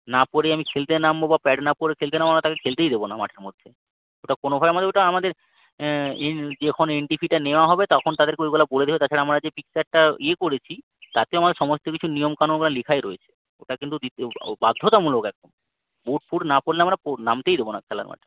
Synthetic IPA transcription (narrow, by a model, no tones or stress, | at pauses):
napoɾejamikʰelt̪enambobapɛɖnapoɾekʰelt̪enamamɾat̪akekʰelt̪ejd̪ebonama̰ʈʰeɾmod̪ʱːe | oʈakonobʱabeamad̪eɾoʈaamad̪eɾ | ed͡ʑekʰoneɳʈifʰiʈaneoaɦɔbet̪ɔkʰont̪ad̪eɾkeojkɔlʰaboled̪ebet̪at͡ɕʰaɾeamɾad͡ʑepiksaʈ̚ʈaiekoɾet͡ɕʰi | t̪at̪eoamad̪eɾʃɔmost̪okit͡ɕʰunijomkanoɡlalikʰaeɾoet͡ɕʰe̥ | oʈakint̪ud̪it̪ebad̪ʱːot̪amulokɛk̚ɖom | buʈ̚fuɽnapoɾleamɾaponamt̪ejd̪ebona̰kʰɛla̰ɾma̰ʈʰe